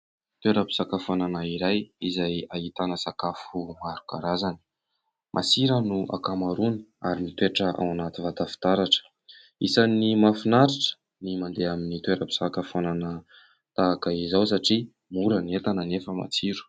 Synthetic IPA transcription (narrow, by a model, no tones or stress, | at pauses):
t̪weɾəpi̥sakafananaiɾajizajait̪anəsakafumaɾukaɾazani̥ | mʔasiɾənuʔa̰kamaɾuni̥a̰ɾimit̪eaʈ͡ʂəʔa̰wanat̪ivat̪afi̥t̪aɾaʈ͡ʂə̥ | isanimafunaɾiʈ͡ʂə̥ | nimand̪eaminit̪weɾəpi̥sakəfananə | t̪aakaizaws̬aʈ͡ʂi | muɾəniet̪anənefəma̰t͡siɾu̥